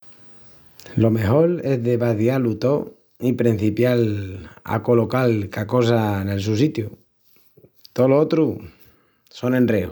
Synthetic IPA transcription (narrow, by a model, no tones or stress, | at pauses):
lo̞mexoɾezðeβaðjalut̪o | ipɾin̟θipjala̰ko̞lokalkakos̬ane̞ls̬us̬it̪ju | t̪oloot̪ɾu | sonẽ̞nrreṵ